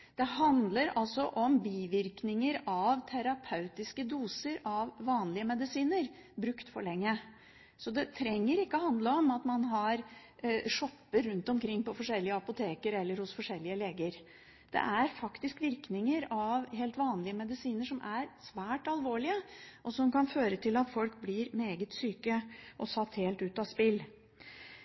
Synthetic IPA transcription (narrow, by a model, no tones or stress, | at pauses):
d̪̥ɛɦɑnd̪ləɾɑlsɔʔɔmbiːʋɪɾknɪŋəɾɑʋt̪ʰæɾɑpʰɑʉt̪ɪskəd̪uːsəɾɑʋːɑːnlɪəmɛd̪ɪsiːnəɾbɾʉkt̪fɔɭɛŋːə | sɔd̪ɛt̪ʰɾɛŋːəɾɪkːəɔhɑnd̪ləɔmɑt̪mɑnɦɑɾ | ʂɔpːəɾʉnt̪ɔmkʰɾɪŋːpɔfɔʂɛlːɪəɑpʊt̪ʰeːkəɾɛlːəɾhʊsfɔʂɛlːɪəleːɡəɾ | d̪̥ɛ̰ʔæɾfɑkt̪ɪskʋɪɾknɪŋəɾɑʋheːlt̪ʋɑːnlɪəmɛd̪ɪsiːnəʂɔmʔæɾsʋæːʈɑlʋoːɭɪəʔɔsɔmkɑnføːɾət̪ʰɪlɑt̪fɔlkblɪɾmeːɡət̪syːkəʔɔsɑt̪heːlt̪ʉːt̪ɑspɪlː